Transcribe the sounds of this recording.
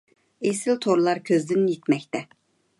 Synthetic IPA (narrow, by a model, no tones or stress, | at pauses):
esɪlt̪ʰoɾlˠɑɾkʲʰøzd̪ɪnjit̪mɛkʲt̪ɛ